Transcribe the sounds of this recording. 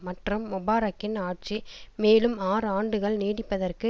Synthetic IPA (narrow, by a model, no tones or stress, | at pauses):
mɐʈrɯmːʊbaːɾɐkːɪnaːʈ̚t͡ʃimeːlɯmaːɾɯaːɳɖɯɣɐɭniːɽɪpːɐðɐrkɯ